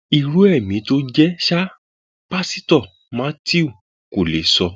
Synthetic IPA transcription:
i˨ɾu˨˦ɛ˦˨mĩ˨˦to˦d͡ʒɛ˦ʃa˦ | pa˦si˦tɔ˦˨ | m̃ã˦ti˦u˦˨ | ko˨le˨˦sɔ˧

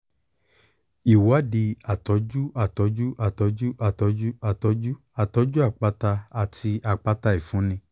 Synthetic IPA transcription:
i˨wa˨˦di˧a˨tɔ˨˦d͡ʒu˦a˨tɔ˨˦d͡ʒu˦ʔa˦˨tɔ˨˦d͡ʒu˦ʔa˨tɔ˨˧˦d͡ʒu˦a˨tɔ˨˦d͡ʒu˦ | a˨tɔ˨˧˦d͡ʒu˦a˦˨k͡pa˧ta˧a˧tʰi˧a˨k͡pa˧ta˧i˦˨fũ˨˦nĩ˧

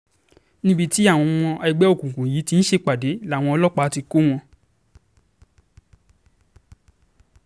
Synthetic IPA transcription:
nĩ˦bi˦˧ti˦a˦˨w̃ɔ̃˧w̃ɔ̃˧ɛ˧ɡ͡bɛ˦o˦˨kũ˨kũ˨ji˨˦ti˧n̩˦ʃe˧k͡pa˨de˨˦la˦˨w̃ɔ̃˧ɔ˧lɔ˦k͡pa˧˦ti˧ko˦w̃ɔ̃˧

